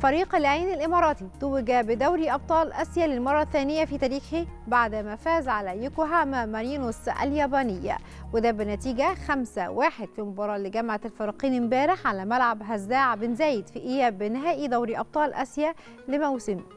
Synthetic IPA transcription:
fæɾiːqlɪʕaːnɪlʔɪmɑːɾˤɑːt̪it̪uwɪɡæbɪd̪æwɾiʔɑb̚t̪ˤɑːlʔæsjælelmɑrˤːɑθæːnɪjːæfit̪æːɾiːxhibaʕd̪mæfæːzʕalæjʊkoɦæːmæmæɾjiːnosʔæ̰ljæːbɑːnɪjːæ̰ | wed̪æːbɪnæt̪iːɡæxæmsæwaːħed̪̥fimobɑːɾˤɑːʔlɪɡæmʕalfɑɾˤɑːqiːnmbæːɾɪħʕalæmælʕabɦæzːæːʕbɪnzæːjɪd̪fiʔɪjːæbɪnɪɦæːʔid̪æwɾiʔɑb̚t̪ˤɑːlʔæ̰sjæ | lɪmæwsɪmi

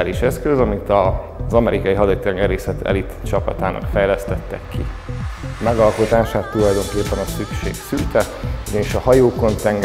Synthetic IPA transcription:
liʃɛskøzɒmit̪ɒ | zɒmɛɾʔikɒjiɦɒd̪ɒit̪ɛŋɡɛɾeːsɛt̪ʰɛ̰lit̪t͡ʃɒpɒ̰t̪aːnʔɒ̰kfɛjlɛst̪ɛt̪ːɛkʰːḭ | mɛɡɒlko̞t̪aːʃaːt̪ːulɒjd̪o̞ŋkeːpːɛnɒsykʃḛːksylt̪ɛuɟɒniʃɒhɒjoːko̞nt̪ɛŋɡ

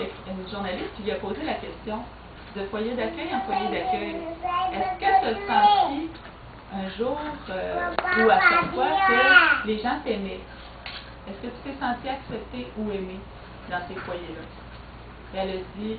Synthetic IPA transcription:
ɛynʒuʁnalist̪̚kʲilɥapozelakʲɛst̪jɔ̃ | d̪əfwajɛd̪akʲœjɑ̃fwajed̪akʲœjɛskʲət̪yasɑ̃t̪i | ɛ̃ʒuːʁøuaʃakfwakəleʒɑ̃t̪emɛ | ɛskət̪y̥t̪ɛsɑ̃t̪iaksɛp̚t̪euɛme | d̪ɑ̃sefwajɛla | ɛld̪i

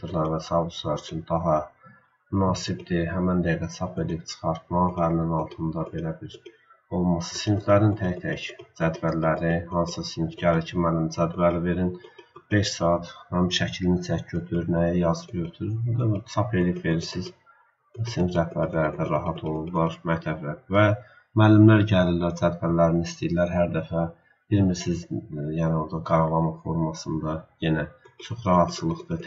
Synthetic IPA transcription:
ɯɾlˠɑɾvæsɑbuslˠɑɾyt͡ʃʰynd̪ɑɦɑ | mynɑːsibd̪iɦæmænd̪eɡ̪æt͡s̪ʰɑpʰeliip̚t͡ʃʰɯ̥χɑɾt̪̚mɑælninɑlˠt̪ʰɯnd̪ɑbe̞læbiɾ | o̞lˠmɑsɯ̥sinflæɾint̪ʰæçt̪ʰæçd͡ʒæd̪bæɾlæɾihɑnsɯsinfɟʰɑɾicʰimænind͡ʒæd̪bælive̞ɾinb̥e̞ʃsɑːɑt̪hæmʃæcʰilinit͡s̪ʰæcʰːøt̪ʰyɾnæjjɑzɯɟøɾt̪ʰyɾyɾud̪ɑsʰɑpe̞lijipve̞ɾiɾsiz̥ | siniɾæhbæɾlæɾid̪æɾɑɦɑt̪ʰo̞lˠublˠɑɾmæct̪ʰæblæɾvæ | mælːimlæɾɟælillːæɾd͡ʒæd̪bæɾlæɾinist̪ijilːæɾɦæɾd̪æfæ | b̥iɾmiɾsizjæːnio̞ɾd̪ɑɡɑɾɑlˠɑmɑfo̞ɾmɑsɯnd̪ɑje̞næt͡ʃʰo̞χɾɑɦɑt̪sʰɯlˠɯχd̪ɯ

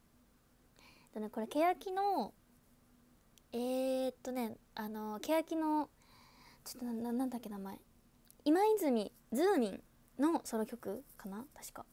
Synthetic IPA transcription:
t̪o̞ne̞ko̞ɾe̞ke̞jakʲino̞ | et̪ːo̞ne̞ | ʔano̞ke̞jakʲino̞ | t͡ɕo̥t̪ːonaanːãnd̪akʲːe̞namae | imaizɨmʲi | d͡zɨːɲʲĩn | no̞so̞ɾo̞kʲo̞kɯ̟kanat̪ḁɕi̥ka

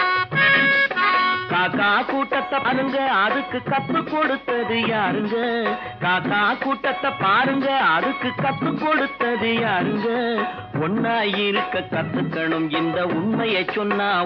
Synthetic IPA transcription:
kaːkaːkuːʈːɐt̪ːɐɾɯŋɡɐɐðɯkːɯkːɐp̪ːɯkːɔɽɯt̪ːɐðɯjaːɾɯŋɡɐ | kaːkaːkuːʈːɐt̪ːɐpːaːɾɯŋɡɐɐðɯkːɯkːɐp̪ːɯkːɔɽɯt̪ːɐðɯjaːɾɯŋɡɐ | ɔɳːaːjɪɾɯkːɐkːɐt̪ːɯkːɐɳɯmɪnd̪ɐʊɳmɐjɐɪt͡ʃːɔnːaː

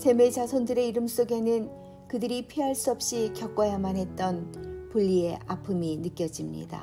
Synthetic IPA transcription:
sʰe̞me̞t͡ɕasʰondɯɾe̞iɾɯms͈oɡe̞nɯn | kɯdɯɾipʰiɦaɭs͈uʌp̚ɕ͈ikjʌk͈wʌjamanɦe̞t̚t͈ʌnpuʎːie̞ʔapʰɯminɯk͈jʌd͡ʑimɲḭda̰

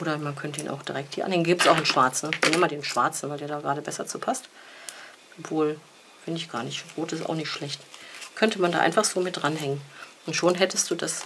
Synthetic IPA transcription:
ʔoːɾɐmankʰœntəiːnʔa̰ʊd̥iʁɛk̚thiːɐʔanhɛŋənɡiːptsaʊxɪnʃv̥aɐt͡sn̩nɛnmaːldeːnʃv̥a̰ɐt͡sn̩vaɪldeːɐɾaːɡʁaːɾəbɛsɐt͡suːpʰast | ʔɔpv̥oːl | fɪndɪçɡ̥a̰ːɐnɪçtʁoːtɪsta̰ʊxnɪçtʃlɛçtkʰœntəmanda̰ːʔa̰ɪnfaχz̥oːmɪt̚d̥ʁanɦɛŋənʔʊntʃoːnɦɛtəst̚d̥uːdas

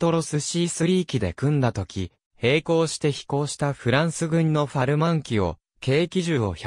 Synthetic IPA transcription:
t̪o̞ɾo̞sɨɕiːsɨɾʲiːkʲid̪e̞̰kɯ̟̃nd̪at̪o̞kʲi | he̞ːko̞ːɕi̥t̪e̞çi̥ko̞ːɕi̥t̪aɸɯ̟ɾãɰ̃sɨɡɯ̟̃ɲ̟no̞ɸaɾɯ̟mãŋkʲio̞̰ | ke̞ːkʲiʑɨːo̰ç

